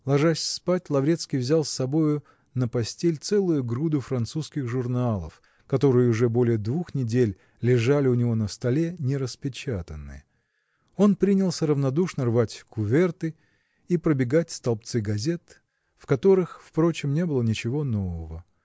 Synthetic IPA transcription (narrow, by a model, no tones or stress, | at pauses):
lˠɐʐasʲspatʲlˠɐvɾʲe̞t̪skʲijvzʲalˠsːɐbo̞jʊ | nəpɐsʲtʲelʲt̪sɛlˠʊjʊɡɾud̪ʊfɾɐnt̪suskʲɪxʐʊrnalˠə̰f | kɐt̪o̞ɾɨjɪʊʐɛbo̞lʲɪjəd̪vuxnʲɪdʲelʲ | lʲɪʐalʲɪʊnʲɪvonəst̪ɐlʲe̞nʲɪɾəspʲɪt͡ɕat̪ənːɨ̰jə | o̞npɾʲinʲɪlˠsʲəɾəvnɐd̪uʂnərvatʲkʊvʲɛrt̪ɨ | ipɾəbʲɪɡatʲst̪ɐlˠp̚t̪sɨɡɐzʲe̞t̪ | fkɐt̪o̞ɾɨxfpɾo̞t͡ɕɪmnʲe̞bɨlˠənʲɪt͡ɕɪvo̞no̞vəvə